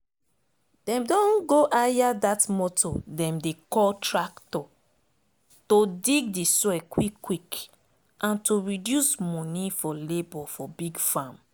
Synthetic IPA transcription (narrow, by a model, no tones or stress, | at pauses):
d̥ɛ̃mdɔ̃nɡoʔajadatmɔtodɛ̃mdekɔltɹaktɔ | todiɡdisɛkwikːwik | ʔãntoɹidjusmɔ̃nifɔlebɔfɔbiɡfãm